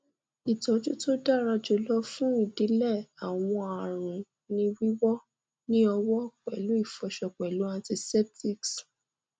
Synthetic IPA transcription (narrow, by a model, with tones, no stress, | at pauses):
i˨tɔ˨˦d͡ʒu˦to˦da˦˨ɾa˧d͡ʒo˨˦lɔ˦fũ˦i˦˨di˨˦lɛ˦˨a˨w̃ɔ̃˧a˨ɾ̃ũ˨ | nĩ˧wi˦wɔ˦ | nĩ˦ɔ˧wɔ˦k͡pɛ˨lu˨˦i˦˨fɔ˨˧ʃɔ˧k͡pɛ˨lu˨˦ã˧ti˧sɛ˦p̚ti˦˨ks